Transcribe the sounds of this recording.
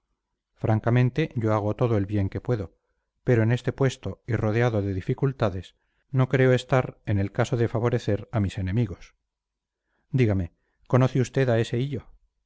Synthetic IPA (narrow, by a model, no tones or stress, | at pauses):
fɾʔaŋkamẽ̞nt̪e̞ʝo̞aɣ̞o̞t̪o̞ð̞oe̞lβje̞ŋke̞pwe̞ðo̞ | pe̞ɾo̞ene̞st̪e̞pwe̞st̪o̞iro̞ðeaðo̞ðe̞ðifikult̪aðe̞s | no̞kɾe̞oe̞st̪aɾe̞ne̞lkaso̞ðefaβ̞o̞ɾe̞θe̞ɾamise̞nẽ̞miɣo̞s | d̪iɣame̞ | ko̞noθeust̪e̞ðae̞seiʎo̞